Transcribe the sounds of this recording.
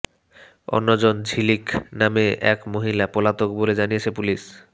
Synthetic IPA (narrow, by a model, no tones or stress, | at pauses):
o̰nːod͡ʑond͡ʑʱiliknameɛ̰kmoɦilapolat̪ok̚boled͡ʑanijet͡ɕʰepuliʃ